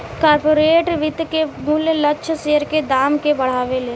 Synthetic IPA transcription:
kaːɾpoːɾeːʈɾʋɪt̪kemʊljləkːʃʰseːəɾked̪aːmkebɐɽ̤aːʋeleː

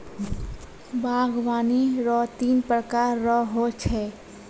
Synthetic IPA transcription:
bʱaːɡwaːniɾɔːt̪iːnpɾəkaːɾːɔɦot͡ʃʰɛː

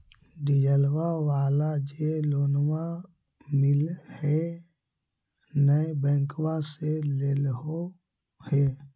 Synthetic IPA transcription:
d̪ɪd͡ʒəlwawaːlad͡ʒeloːnwã | mɪlhɛ | nəebɛ̃ːŋkwaseleːlɦo | heː

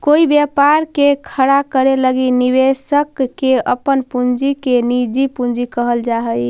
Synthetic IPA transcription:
koibjapaɾkekʰəɽakəɾeləɡinibesəkːeəpənpund͡ʒikenid͡ʒipund͡ʒikəɦəld͡ʒaɦəj

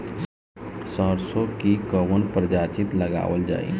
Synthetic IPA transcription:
səɾsokikəʋənpɾəd͡ʒaːt͡ʃɪt̪ləɡa̰ːʋəld͡ʒa̰ːḭ

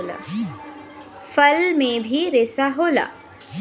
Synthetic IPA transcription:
la̰ː | fɐlmẽbʱiɾeːsaɦoːla̰ː

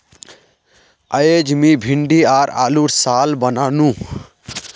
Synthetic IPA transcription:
əjed͡ʒmibʱiɳɖiaːɾa̰ːluʈsaːlbənaːnũ

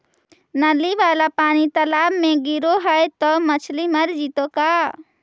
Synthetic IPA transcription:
nɐliʋaːlapaːnit̪ɐlaːbmẽɡɪɾoɦəjt̪ɔmɐt͡ʃʰlimɐɾd͡ʒiːt̪okaː

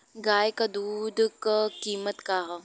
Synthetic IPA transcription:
ɡaːjkad̪uːd̪ʱkakiːmət̪kaɦa

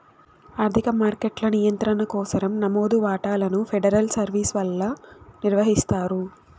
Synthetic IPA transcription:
aːɾt̪ʰikɐmaːɾkeʈlɐnijɐnt̪ɾɐnɐkɔːsɐɾɐmnɐmoːd̪uʋaːʈaːlɐnupʰeɖɐɾɐlsɐɾʋiːsʋɐlːɐniɾʋɐɦist̪aːɾu

